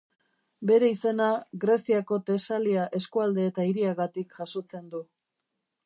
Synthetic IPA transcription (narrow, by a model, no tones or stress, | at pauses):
be̞ɾe̞ise̞naɣɾe̞siako̞t̪e̞saliaʔe̞skuald̪e̞ːt̪aiɾiaɣat̪ikʝaso̞t͡se̞nd̪u